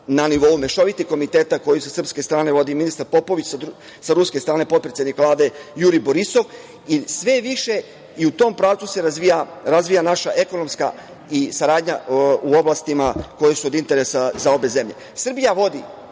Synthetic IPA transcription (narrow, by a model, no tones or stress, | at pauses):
naniʋo̞ume̞ʃo̞ʋit̪ixko̞mit̪e̞ːt̪ako̞jusasr̩pske̞st̪ɾaːne̞ʋo̞d̪iminist̪aɾpo̞po̞ʋit͡ɕsa | saɾuskest̪ɾaːne̞pot̪̚pɾesjed̪nikʋlˠaːd̪e̞juɾibo̞ɾiso̞ʋ | isʋe̞ʋiʃe | iut̪o̞mpɾaːʋt̪suse̞ɾazʋijaɾazʋijanaʃaʔe̞ko̞no̞mska̰ | isaɾaːd̪ɲa̰uo̞blˠast̪imako̞jesuo̞d̪int̪e̞ɾe̞sazao̞be̞ze̞mʎe̞̰ | sr̩bijaʋo̞d̪ḭ